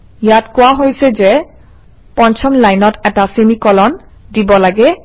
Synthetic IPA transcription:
jatkowaɦojsɛze | pɔnt͡ʃʰɔmlajnɔtɛtasinikɔlɔn | dibɔlaɡɛ

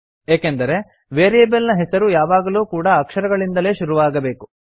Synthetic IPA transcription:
eːkend̪ɐɾe̞ | ʋeːɾiebelnɐɦesɐɾujaːʋaːɡɐluːkuːɽɐːkʂɐɾɐɡɐɭind̪ɐle̞ːʃuɾuʋaːɡɐbe̞ːku

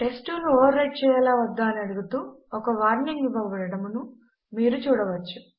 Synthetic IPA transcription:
ʈe̞sʈuluɔːʋɐɾɐjʈ̚t͡ʃɛːjɐlaːʋɐd̪ːaːniɐɽuɡut̪uːɔkɐʋaːɾniŋɡiʋɐʋɐɽɐɽɐmunu | miːɾut͡ʃuːɽɐʋɐt͡ʃːu̥

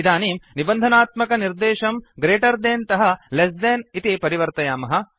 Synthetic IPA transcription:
d̪aːniːmnibɐnd̪ʱɐnaːt̪mɐkɐniɾd̪eːʃɐmɡɾeːʈɐɾd̪eːnt̪ɐɦɐles̬d̪eːnit̪ipɐɾiʋɐɾt̪ɐjaːmɐɦɐ̆

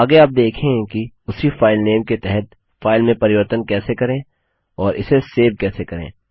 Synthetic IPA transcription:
aːɡeaːp̚d̪eːkʰẽki | ʊsifaːɪlneːmket̪ɛɦɛt̪̚ | faːɪlmẽpɐɾɪʋəɾt̪ənkɛːsekɐɾẽː | ɔːɾɪ̰seseːb̚kɛːsekɐɾḛ̃ː

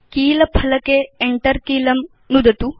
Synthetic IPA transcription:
kiːlɐpʰɐlɐkeːɳʈɐɾkiːlɐm | nud̪ɐt̪u

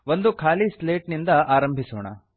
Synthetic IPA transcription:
ʋond̪ukʰaːlisleːʈnind̪ɐaːɾɐmbʱisɔːɳɐ̰

